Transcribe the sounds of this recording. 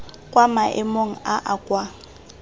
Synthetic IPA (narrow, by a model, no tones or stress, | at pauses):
kʼwamaʔɪmoŋ̩aʔakʼwa